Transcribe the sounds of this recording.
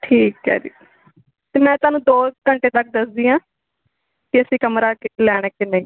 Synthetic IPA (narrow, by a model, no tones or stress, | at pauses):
ʈʰiːkɦɛ̰ːɾḭː | t̪eːmɛ̃ːt̪ʊaːnũːd̪oːkəɳʈeːt̪ək̚d̪əsd̪iːãː | kɪəsĩːkəmɾaːkɪlɛːɽ̃eːkɪneĩː